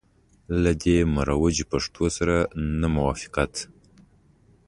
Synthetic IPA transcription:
lad̪emaɾɑwad͡ʒipaʂt̪ʰosaɾanamʊwɑfɪ̥qat̪

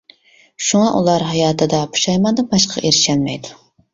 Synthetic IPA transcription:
ʃuŋɑʔulˠɑɾɦɑjɑːt̪ʰɨd̪ɑpʰu̥ʃɑjmɑd̪ɨbɑʃqʰɑ̰ʔeɾɪʃɛlmɛjd̪u̥

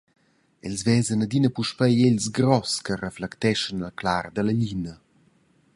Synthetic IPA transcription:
ɛlzvɛzənəd̪inəpuʃpɛjeʎsɡɾɔskərəflɛkt̪ɛʃənalklard̪ələʎinə

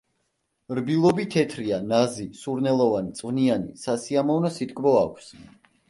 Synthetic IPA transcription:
ɾbilˠɔbit̪ʰɛt̪ʰɾianazisuɾnɛlˠɔvanit̪sʼvnianḭsasiamɔvnɔsit̪̚ʰʼkʼbɔakʷʰs

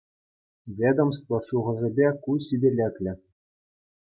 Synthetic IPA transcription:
vʲed̪omst̪ʋɤ̆ʂuʁɤ̆ʐɘ̆bʲekuɕibʲelʲekʲlʲɘ̆

